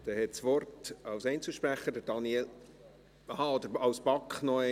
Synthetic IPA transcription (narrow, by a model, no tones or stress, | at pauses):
d̥̪ɛhɛtsʋɔrtɑwsɛɪnt͡sl̩ʃpɾæχəd̥əɾd̥ɑnjel | hɑɔd̪əɾɑwsbɑkχnɔɛ